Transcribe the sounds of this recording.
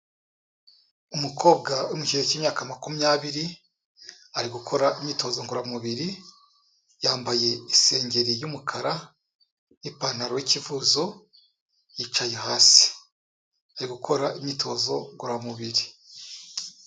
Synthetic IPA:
umuko̞ːbɡawumuʃieciːmɲaːkamakumijaːβiɾi | aɾiɡukʰo̞ɾaʔimɲito̞ːzo̞ŋɡuɾamuβiɾi | jaːmbaje̞ise̞ːɲɟe̞ɾijumukʰaɾa | nipanaɾowicivuːzo̞ | jit͡ʃajeɦaːsi̥ | aɾiɡukʰo̞ɾaʔimɲitʰo̞ːzo̞ŋɡuɾamuβiɾi

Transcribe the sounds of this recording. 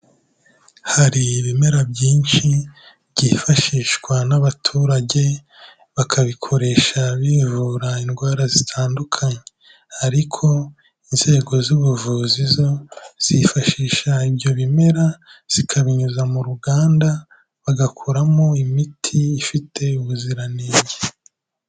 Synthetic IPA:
haɾiβime̞ɾabɟiːnʃi | βɟiːfaʃiːʃkwanaβatʰuːɾaɟe̞ | βakʰaβikʰo̞ɾe̞ːʃaβivuːɾainɡwaːɾazitʰaːndukʰaɲe | aɾikʰo̞ | inze̞ːɡo̞zuβuvuzizo̞z̥ifaʃiːʃaiβjo̞βime̞ɾaz̥ikʰaβiɲuzamuɾuɡaːnda | βaɡakʰuɾamo̞imitʰiːfitʰe̞uβuziɾaneːɲɟe

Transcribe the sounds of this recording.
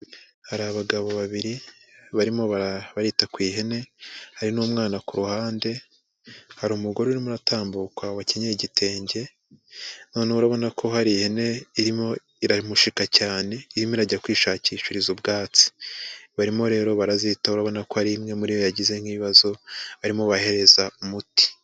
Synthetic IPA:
haɾaβaɡaβo̞βaβiɾiβaɾimo̞βaβaɾitakwiːɦe̞ne̞haɾinumŋaːnakuɾuhaːnde̞ | haɾuːmuɡo̞ɾoiɾimuɾataːmbukaβaceɲeiɟitʰe̞ːɲɟe̞ | no̞ːneuɾaβo̞nakʰo̞haɾihe̞ne̞iɾimo̞ | iɾamuʃikacaːne̞iɾimoiɾaɟakwiːʃaːciːʃiɾizubɡaːt͡si̥βaɾimo̞ɾe̞ːɾo̞βaɾazitauɾaβo̞nako̞haɾimŋe̞muɾijojaɟize̞ŋhiiβazo̞βaɾimoβahe̞ɾe̞zaumuti̥

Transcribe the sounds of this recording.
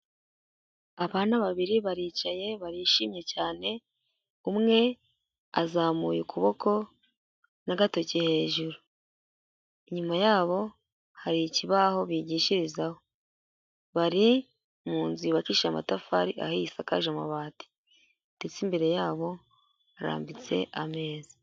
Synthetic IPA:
aβaːnaβaβiɾiβaɾiːt͡ʃaje̞βaɾiʃiːmje̞caːne̞ | umŋe̞ | azaːmuːjukuβo̞ko̞ | naɡato̞cehe̞ːʒuɾu | iɲumajaːβo̞ | haɾiciβaho̞βiɟiːʃiɾizaho̞ | βaɾi | muːnziβaciʃama̰tafaɾiʔa̰hisakaʒama̰βaːti̥ | d̥et͡simbe̞ɾe̞jaːβo̞ | aɾa̰ːmbit͡se̞̰ʔame̞ːzi̥

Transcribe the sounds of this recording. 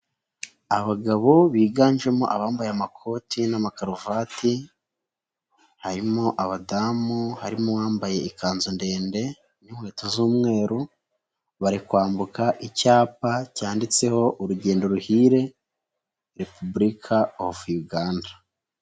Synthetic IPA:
aβaɡaβo̞βiːɡaːnʒe̞moʔaβaːmbajeamakʰo̞tʰinamakaɾuvaːti | haɾimoʔaβadamuhaɾimowaːmbaje̞ikʰaːnzonde̞ːnde̞ | ninhwe̞ːtozuːmŋe̞ːɾu | βaɾikwaːmbukaʔicaːpacaːndit͡se̞ho̞ʔuɾuɟe̞ːndo̞ɾuhiːɾe̞ | ɾe̞pubuɾikʰaohovujuɡaːndḁ

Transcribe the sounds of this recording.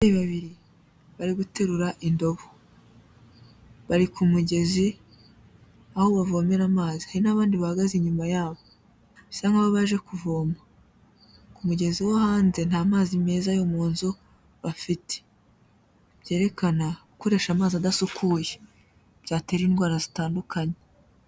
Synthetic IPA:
aiβaβiɾi | βaɾiɡute̞ɾuɾaʔindo̞βo | βaɾikʰumuɟe̞zi | ahoβavo̞ːmeɾamaːzi̥haɾinaβaːndiβahaɡaziɲumajaːβo̞ | saŋɡaβaβaʒe̞kuvoːma | kumuɟe̞ziwohaːnze̞nhaːmaːzime̞ːzajo̞moːnzo | βafite̥ | b̥ɟe̞ːɾe̞kanaukoɾe̞ʃamaːziadasukʰuːje | b̥ɟaːte̞ɾiːnɡwaːɾazitaːndukʰaɲe

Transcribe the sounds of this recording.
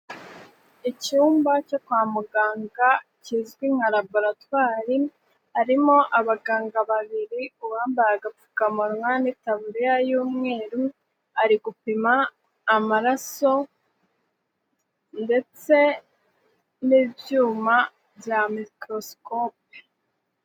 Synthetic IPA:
icuːmbaco̞kwaːmuɡaːŋɡa | cizɡwiŋ̥aɾabo̞ɾatwaːɾi | aɾimo̞ʔaβaɡaːŋɡaβaβiɾiuβaːmbajaɡap͡fu̥kamuɾwanitaβuɾijajuːmŋe̞ːɾu | aɾiɡupimaː | maɾaso̞ | nde̞t͡se̞ | niːvjuːma | vjamikɾo̞skop̚e

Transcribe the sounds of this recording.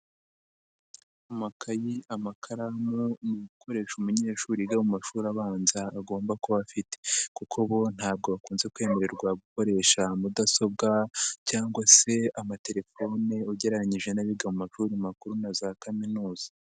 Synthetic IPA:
umakʰajiamakʰaɾamuniɡukʰo̞ɾe̞ːʃumuɲe̞ːʃuːɾiɡamumaʃuɾaβaːnzaːɡo̞ːmbakoβafite̥kukʰoβo̞n̥haːb̚ɡo̞βakuːnze̞kwe̞ːme̞ɾe̞ɾɡwaɡuko̞ɾe̞ːʃamudaso̞b̚ɡacaːŋɡwase̞amate̞ɾe̞fo̞ne̞uɟe̞ɾaɲiʒe̞naβiɡamumaʃuɾimakuɾunazakaminuːz̥a

